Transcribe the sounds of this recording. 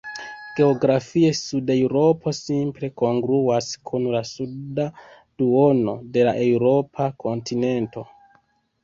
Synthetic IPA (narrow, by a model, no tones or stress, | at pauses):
ɡ̥e̞o̞ɡɾafie̞sudewɾo̞pʰo̞simple̞ko̞ŋɡɾuaskʰunlasuda | d̥uo̞no̞̰de̞laʔe̞wɾo̞pʰako̞ntʰine̞nto̞